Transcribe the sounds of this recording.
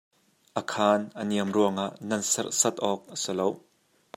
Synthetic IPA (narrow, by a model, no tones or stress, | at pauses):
ʔəkʰaːnʔəniəmruəŋaʔnɐnsɐrsɐt̪̚ʔɔk̚ʔəsɪlow